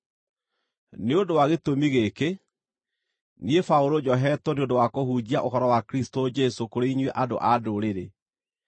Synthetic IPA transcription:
neondowaɣetomiɣeke | niefaoɾod͡ʑɔɦɛtɔneondowakohud͡ʑiaʔohɔɾɔwakɾistod͡ʒɛsokoɾeiɲweʔado̰ʔadoɾeɾe

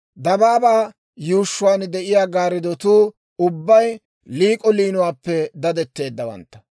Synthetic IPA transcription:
d̪ɐbaːbaː | juːʃːʊwaːnd̪ɛʔɪjaːɡaːɾɪd̪ɔt̪uː | ʊbːɐj | liːkʼɔliːnʊwaːpːɛd̪ɐd̪ɛt̪ːe̞ːd̪ːɐwɐ̰nt̪ːɐ̥

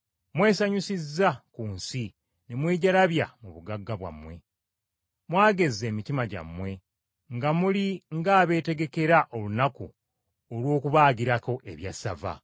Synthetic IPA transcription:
mwe̞ːsaɲusizːakuːnsi | nemweːɟalaβja̰muβuɡaɡːaβwa̰mwe̞ | mwaːɡe̞zːe̞ːmitimaɟa̰mwe̞ | ŋɡamuliŋɡaːβe̞ːte̞ɡe̞ke̞ɾaʔo̞lunaku | olwo̞ːkuβaːɡiɾako̞ʔe̞̰βjasava̰

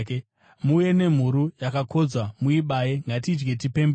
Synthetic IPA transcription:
muje̞ne̞m̤uɾujakakʰo̞d͡zwamuiɓajeŋɡatid͡ʒɡe̞t̬ipe̞mb

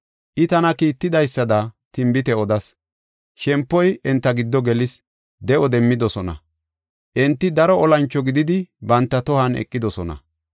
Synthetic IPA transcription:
ʔɪt̪ɐnɐkiːt̪ːɪd̪ɐjsːɐd̪ɐt̪ɪmbɪt̪ɛɔd̪ɐs | ʃɛmpːɔjɛnt̪ːɐɡɪd̪ːɔɡɛlɪs | d̪ɛʔɔd̪ɛmːɪd̪ɔsɔnɐ̰ | ʔɛnt̪ːɪd̪ɐɾɔɔlɐnt͡ʃːɔɡɪd̪ɪd̪ɪbɐnt̪ːɐt̪ɔhɐnɛ̰kʼːɪd̪ɔsɔnɐ̰

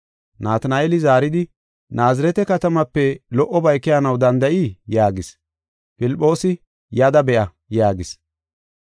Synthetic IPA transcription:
naːt̪ɐnaːeːlɪzaːɾɪd̪ɪ | naːzɪɾɛt̪ɛkɐt̪ɐmɐpːɛlɔʔːɔbɐjkːɪjanɐwd̪ɐnd̪ɐʔijaːɡɪs | pɪlɪpʼːo̞ːsɪ | jɐd̪ɐbɛʔɐ | jaːɡɪs

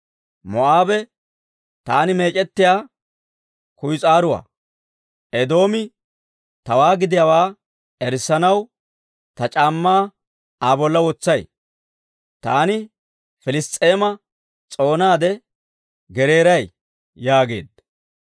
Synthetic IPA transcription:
mɔʔaːbɛ | t̪aːnɪme̞ːt͡ʃʼɛt̪ːɪjaː | kʊjt͡sʼaːɾʊwa̰ː | ʔɛd̪o̞ːmɪ | t̪ɐwaːɡɪd̪ɪjawaː | ɛɾsːɐnɐw | t̪ɐt͡ʃʼaːmːaː | aːbɔlːɐwɔt͡sːɐj | t̪aːnɪ | fɪlɪst̪ʼːeːmɐ | t͡sʼo̞ːnaːd̪ɛ | ɡɛɾe̞ːɾɐj | jaːɡe̞ːd̪

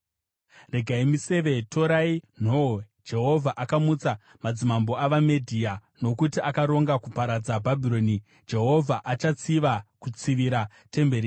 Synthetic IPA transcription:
re̞ɡʱaimise̞ʋe̞tʰo̞ɾain̤oo | d͡ʒe̞ɦo̞vʱaʔakamut͡sa | mad͡zimambo̞aʋamedʱiːa | no̞kutiakaɾo̞ŋɡakupaɾad͡zabʱabʱiɾo̞ːni | d͡ʒe̞ɦo̞vʱaʔat͡ʃat͡siʋakut͡siʋiɾa | te̞mbe̞ɾi

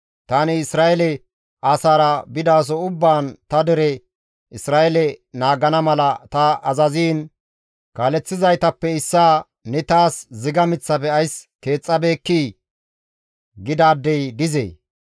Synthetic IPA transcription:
t̪anɪɪsɾaːɛlɛ | aːsaːɾɐbɪd̪aːs̬ɔʊbːaːnt̪ɐd̪ɛɾɛ | ɪsɾaːʔɛlɛnaːɡɐnɐmɐlɐt̪ɐɐzɐziːn | kaːlɛt͡sːɪzɐjt̪ɐpːɛɪsːaː | nɛt̪aːszɪɡɐmɪt͡sːɐpɛɐjske̞ːt͡sʼːɐbe̞ːkːiː | ɡɪd̪aːd̪ːɛjd̪ɪzḛː

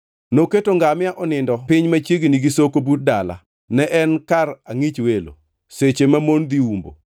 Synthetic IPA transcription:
noketoŋɡamɪaʔɔnɪndɔpɪɲmat͡ʃjeɡiniɡisokobut̚dala̰ | nɛʔɛnkaraŋit͡ʃwelo̰ | set͡ʃemamond̪iumbo̰

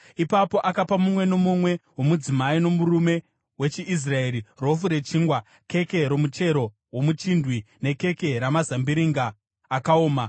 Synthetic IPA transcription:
ipapo̞ʔakapamumwe̞no̞mumwe̞wo̞mud͡zimaino̞murume̞ | we̞t͡ʃiʔis̬raeːɾiro̞fuɾe̞t͡ʃiːŋɡwa | ke̞ke̞ɾo̞mut͡ʃe̞ɾo̞ | wo̞mut͡ʃindwine̞ke̞ke̞ɾamazambiɾiŋɡaː | kaoːma

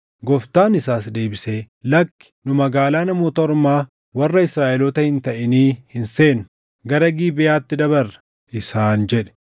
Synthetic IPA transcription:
ɡɔft̪aːnɪsaːs̬d̪e̞ːbɪseː | lɐkːɪ̥nʊmɐɡaːlaːnɐmo̞ːt̪ɐɔɾmaː | wɐrːɐɪsɾaːʔɛlɔt̪ɐhɪnt̪ɐʔɛniːhɪnseːnʊ̥ | ɡɐɾɐɡiːbɪjaːt̪ːɪd̪ɐbɐrːɐ̥ | ɪsaːnd͡ʒɛᶑɛ̥

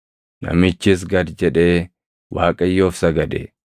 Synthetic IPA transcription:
nɐ̰mɪt͡ʃːɪs̬ɡɐd̪d͡ʒɛᶑe̞ː | wa̰ːkʼɐjːo̞ːfsɐɡɐd̪ḛ

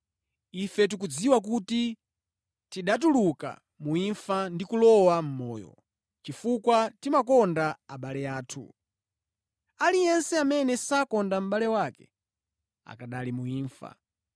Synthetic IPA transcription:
ifɛt̬uk̬ud͡ziwak̬uti | tiɗat̬uluka̰ | muiɱfandikulɔwam̩mɔːjɔ̰ | t͡ʃifukwatimakɔndaaɓalɛjaːtʰṵ | alijɛnsɛamɛnɛsakɔndam̩ɓalɛwaːkɛ̰ | a̰kaɗalimuiːɱfa̰

